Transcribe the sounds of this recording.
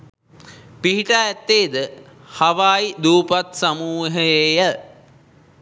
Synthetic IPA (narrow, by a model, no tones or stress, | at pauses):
piɦiʈaːɛt̪ːeːd̪ə | haʋaːjid̪uːpat̪samuːɦəjejə